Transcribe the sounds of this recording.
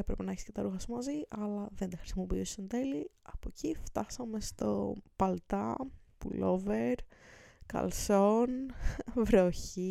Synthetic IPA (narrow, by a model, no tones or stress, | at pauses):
epɾe̞penɐeçiscet̪ɐɾuxɐsumɐziʔɐlɐðe̞nd̪ɐxɾi̥simopiust̪ond̪e̞liɐpocift̪ɐsɐme̞st̪o̞̰pɐlt̪ɐpṵlo̞veɾkɐ̰lso̞nvɾoçi